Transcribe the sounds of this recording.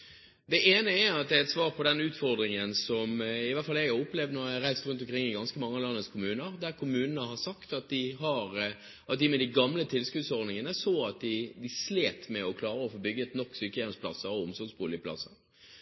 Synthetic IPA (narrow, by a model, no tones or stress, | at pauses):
d̪ɛʔeːnəæɾɑt̪̚d̪ɛɾɛt̪sʋɑːʁpʰɔd̪ɛnʉːt̪fɔɾd̪ɾɪŋənsɔmɪʋæt̪fɑlæɡʊpːlɛvd̪nɔɾjæɑɾæɪst̪ɾʉnt̪̬ɔmkʰɾɪŋːɪɡɑnskəmɑŋːəlɑnːəskʰʊmʉːnəɾd̪æɾkʰʊmʉːnənəhɑsɑkt̪ɑt̪̚d̪ɪɦɑɾ | ʔɑt̪̚d̪ɪmɛd̪ɪɡɑmlət̪ʰɪlskʉːd̪sɔɾd̪nɪŋənəsoːɑt̪̚d̪ɪd̪ɪsleːt̪mɛɔkʰlɑːɾəɔfoːbʏɡət̪nɔkːsyːkəjɛspʰlɑsːəɾɔʊmsɔɾɡsbuːlɪəpʰlɑ̰sːəɾ